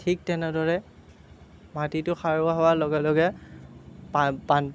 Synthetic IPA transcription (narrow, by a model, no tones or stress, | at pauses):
tʰik̚tɛnɛdɔɹɛ | matitʊxaɹʊaɦɔwalɔɡɛlɔɡɛ | papan